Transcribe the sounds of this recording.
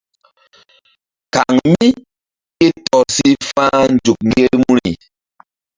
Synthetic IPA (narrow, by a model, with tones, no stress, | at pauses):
ka˨ŋmi˦ | i˦tɔ˨si˦fa˦n̩˦˨d͡ʒu˨k̚ŋɡe˦mu˦ɾḭ˨